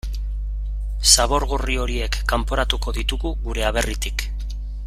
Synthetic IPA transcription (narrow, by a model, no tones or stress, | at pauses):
saβo̞ɾɣurio̞ɾie̞kːampo̞ɾat̪uko̞ðit̪uɣuɣuɾe̞aβ̞e̞rit̪ik